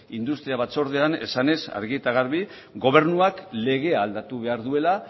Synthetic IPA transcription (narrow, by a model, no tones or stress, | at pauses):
ind̪ust̪ɾiaβat͡so̞ɾð̞e̞ane̞̰sane̞sa̰ɾɣiet̪aɣ̞aɾβi | ɡo̞β̞e̞ɾnuakle̞ɣ̞e̞aːld̪at̪uβe̞aɾðue̞la